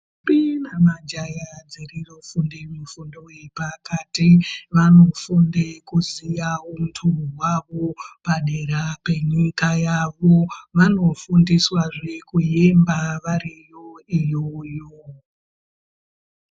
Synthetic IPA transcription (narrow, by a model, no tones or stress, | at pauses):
pinamad͡ʒajad͡zerirofundimufundoepakatiʋano̞fundekuzijaɦum̩tʰuɦwaʋopaɗeɾape̞ɲikajaʋo̞ʋano̞fundiswaʐekujembaʋaɾijo̞ijojo